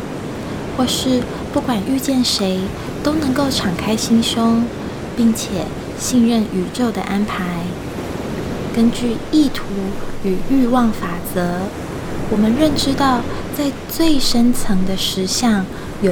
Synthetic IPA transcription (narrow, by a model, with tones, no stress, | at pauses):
xwɔ˥˧ʂɻ̩˥˧ | pu˥˩kwa˨˩ny˥˧t͡ɕjɛ˥˩nʂe˧˥ɪ | t̪o˥ʊnɤ˧˥ŋko˥˩ʊʈ͡ʂʰɑ˨˩ŋkʰa˥ɪɕi˥nɕo˥ŋ | pi˥˩ŋt͡ɕʰjɛ˨˩ | ɕi˥˧ŋɻə˥˩ny˨˩ʈ͡ʂo˥˩ʊd̪ə̰˩ʔa˥npʰa˧˥˦ɪ | kə˥nt͡ɕy˥˧i˥˩t̪ʰu˧˥y˨˩y˥˧wɑ˥˩ŋfa˨˩t͡sɤ˧˥ | wɔ˨˩mə˨˦nɻə˥˧nʈ͡ʂɻ̩˥t̪ɑ˥˧ʊ | t͡sa˥˧ɪt͡swe˥˩ɪʂə˥nt͡sʰɤ˧˥ŋd̪ə˧ʂɻ̩˧˥ɕjɑ˥˩ŋ | jo˨˩